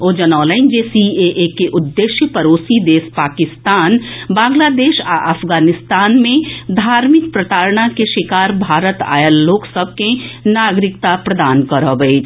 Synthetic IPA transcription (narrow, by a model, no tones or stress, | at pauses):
oːd͡ʒɐnɔːləɪnd͡ʒeːsieʔekeʔʊd̪ːeːʃjəpɐɾoːsid̪eːspaːkɪst̪aːnbãːŋɡlaːd̪eːʃaʔəfɡaːnɪst̪aːnmẽd̪ʱaːɾmɪk̚pɾɐt̪aːɾɽakeʃɪkaːɾbʱaːɾət̪a̰ːjəlːoːksəb̚ʱkenaːɡɾɪk̚t̪apɾɐd̪aːnkəɾabe